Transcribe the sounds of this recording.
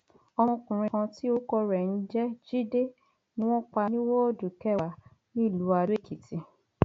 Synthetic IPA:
ɔ˧ɔ̃˧kũ˨ɾ̃ĩ˧kã˧ti˦o˦kɔ˧ɾɛ˨n̩˦d͡ʒɛ˦d͡ʒi˦de˦ | nĩ˦w̃ɔ̃˦k͡pa˧nĩ˦wɔ̃˦o˦˨du˨kɛ˦˨wa˨˦ | nĩ˦˨lu˨˦a˧du˦e˦˨ki˨ti˧

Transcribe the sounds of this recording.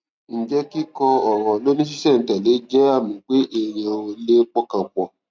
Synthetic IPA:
n̩˨d͡ʒɛ˦ki˦kɔ˧ɔ˨ɾ̃ɔ̃˨lo˦nĩ˦ʃ̬i˦sɛ˦˨n̩˨tɛ˨le˨˦d͡ʒɛ˦a˦˨mĩ˨˦k͡pe˦ʔe˦˨j̃ɛ̃˧o˧le˦k͡pɔ˦kã˨k͡pɔ˨

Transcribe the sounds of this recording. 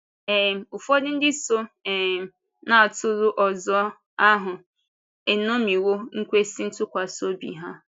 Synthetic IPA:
ɛ˨m˨ʊ˨fo˦dɪ˦n̩˦dɪ˦so˦ɛ˨m˨ | na˦˨tʊ˦ɾʊ˦ʔɔ˨zɔ˦ | a˦ɦʊ˨ | e˨no˦mi˨wo˦ŋ̩˦kʷe˦si˦n̩˦tʊ˦kʷa˨so˦bḭ˨ɦa˦

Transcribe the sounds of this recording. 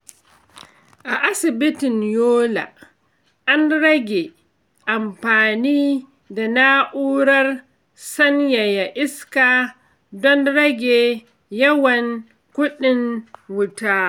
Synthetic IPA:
ʔa˨ʔa˦sɪ˨bɪ˦tɪ˨njoː˦la̰˨ | ʔa˦nɽɐ˦ɡʲe˨ | ʔa˨mɸaː˨niː˦ | da˨na˦ʔuː˦ɽɐ˦r | sɐ˦nja˨ja˨ʔɪ˦skaː˨ | dɔ˦nɽɐ˦ɡʲeː˨ | jɐ˦wɐ˨ŋ | kʷʊ˦ɗɪ˨ŋwʊ˦taː˦

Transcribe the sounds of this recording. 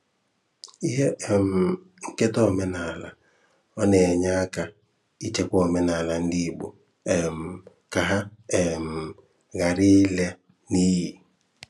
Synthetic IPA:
i˦ɦe˦ɛ˨m̩˨ | ŋ̩˦ke˦tɔ˦˨me˦na˨la̰˨ | ɔ˦nɛ˨ɲa˦ka˨ | i˦t͡ʃe˦kʷɔ˨mɛ˦na˨la˨n̩˦di˦˨bo̰˨ | ɛ˨m̩˨ | ka˨ɦa˦ɛ˨m̩˨ | ɣa˨ɾɪ˦le˦ | ni˦ji˨

